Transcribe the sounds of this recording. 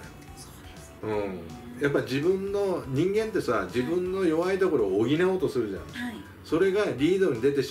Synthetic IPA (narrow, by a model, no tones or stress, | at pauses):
ɯ̟̃ | japːad͡ʑibɯ̟̃nːo̞ɲ̟ĩŋɡẽ̞nt̪ːe̞sad͡ʑibɯ̟̃nːo̞jo̞βait̪o̞ko̞ɾo̞ːɡʲinao̞ːt̪o̞sɨɾɯ̟ʑã̰ | so̞ɾe̞ɡaɾʲiːd̪o̞ɲ̟id̪e̞t̪e̞ɕ